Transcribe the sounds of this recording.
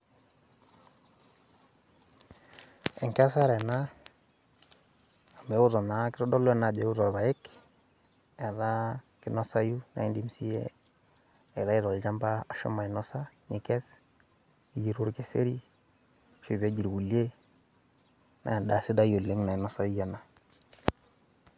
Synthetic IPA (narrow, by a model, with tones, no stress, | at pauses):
ɛ˨ŋka˦sa˦ɾɛ˨na˦ | a˨me˨˦ʊ˦tɔ˨na˦kɪ˦ɾɔ˦dɔ˦lwe˦na˨d͡ʒe˨˦u˦ɾɔ˨ɾβa˨jɪ˦k | e˨ɾa˦ | kɪ˦nɔ˦sa˦ju˦na̰˨i˦ndi˨msi˦jḛ˦ | e˨ɾa˦i˦ɾɔ˨ld͡ʒa˦mba˦a˨ʃṵ˦ma˨i˨nɔ˦sa˦ni˨kɛ˦s | i˨ji˨ɾu˦ɾke˨sḛ˦ɾi˦ | ʃu˨βe˨˦d͡ʒi˨ɾɡu˨le˦ | na̰˨nda˨si˦da˦jo˨le˦ŋna˨i˨nɔ˦sa˦i˦ja˦na˨